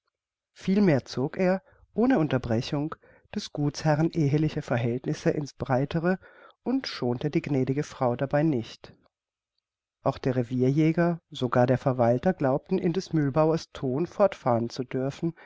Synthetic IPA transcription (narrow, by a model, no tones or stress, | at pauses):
fiːlmeːɐt͡soːkʔeːɐ | ʔoːnəʊntɐbʁɛçʊŋ | d̥ɛsɡ̥uːt͡shɛʁənʔeːɦəlɪçɐfɛɐɦɛltnɪsəʔɪnsb̥ʁaɪtʰəʁəʔʊntʃoːntədiːɡnɛːɾɪɡəfʁ̥aʊdabaɪnɪçt | ʔaʊxd̥eːɐʁeviːɐjɛːɡɐz̥oɡaːɐdeːɐfɛɐvaltɐɡlaʊp̚tn̩ʔɪ̰ndɛsmylbaʊɐstʰoːnfɔɐtfaːʁənt͡sudʏɐfn̩